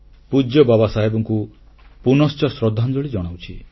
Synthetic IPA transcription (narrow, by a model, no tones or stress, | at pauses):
pud͡ʒjɔbabasaɦebɔŋku | punɔst͡ʃɔsɾɔd̪ʱːand͡ʒɔɭid͡ʒɔɽ̃awt͡ʃʰi